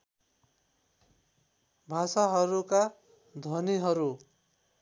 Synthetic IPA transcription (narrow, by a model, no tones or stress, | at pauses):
bʱasaɦʌɾuka | d̪ʱʌniɦʌɾu